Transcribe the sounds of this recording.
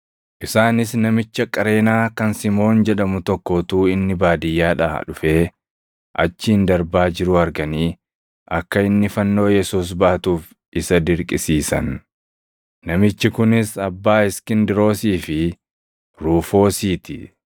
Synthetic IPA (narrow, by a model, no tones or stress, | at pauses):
ʔɪsaːnɪsnɐmɪt͡ʃːɐkʼɐɾe̞ːnaːkɐnsɪmo̞ːnd͡ʒɛᶑɐmʊt̪ɔkːoːt̪uːɪnːɪbaːd̪ɪjːaːᶑa̰ːᶑʊfe̞ː | ʔɐ̰t͡ʃːɪɪnd̪ɐɾbaːd͡ʒɪɾʊɐɾɡɐniː | ʔɐkːɐɪnːɪfɐnːo̞ːjɛsuːs̬baɐt̪uːf | ʔɪsɐd̪ɪɾkʼɪsiːsɐ̰n | ɐmɪt͡ʃːɪkʊnɪsɐbːaːɪskɪnd̪ɪɾo̞ːsiːfɪ | ɾuːfo̞ːsiːt̪ɪ